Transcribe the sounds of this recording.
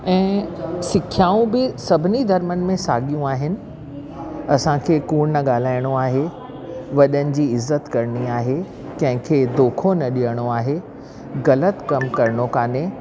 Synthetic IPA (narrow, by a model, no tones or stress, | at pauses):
ɛ̃ːsɪkʰjaːũbɪsɐbʱɪnid̪ʱɐɾmənɪ̆mẽsaːɠijũaːɦɪnɪ̆ | ɐsãkʰeːkuːɾnɐɠaːl̤aːɪɽ̃oaːɦe | ʋɐɗənɪ̆d͡ʑiːɪzːət̪kɐɾɪñiaːɦe | kɐ̃ɦɪ̃kʰeːd̪oːkʰonɐɗijəɽ̃oaːɦe | ɣɐlət̪kɐmkɐɾɪɳ̃okaːne